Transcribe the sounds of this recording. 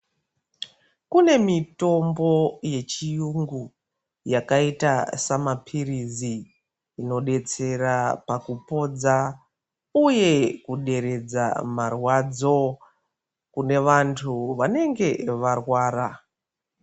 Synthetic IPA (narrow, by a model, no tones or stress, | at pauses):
kune̞mito̞mbo̞je̞t͡ʃijuŋɡu | jakaitasamapʰiriziː | no̞ɗe̞t͡se̞rapakupo̞d͡za | uje̞kuɗe̞ɾe̞d͡za̰marwad͡zo̞ | kune̞ʋantʰuʋane̞ŋɡe̞ʋarwaːɾa